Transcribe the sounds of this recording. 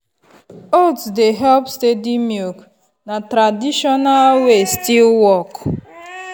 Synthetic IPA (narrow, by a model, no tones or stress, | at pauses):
otsdeɦɛlpstedimulk | natɾadiʃɔnalwestilwɔk